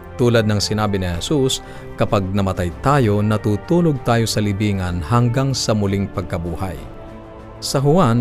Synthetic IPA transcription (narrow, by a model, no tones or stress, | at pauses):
t̪uːlɐd̪̚nɐŋsɪnaːbɪnɪhɛsus | kɐpaɡ̚nɐmɐt̪ajt̪aːjo̞nɐt̪uːt̪uːlo̞ɡ̚t̪aːjo̞sɐlɪbiːŋɐnhɐŋɡaŋsɐmʊliŋpɐɡ̚kɐbuːha̰j | sɐɦʊwan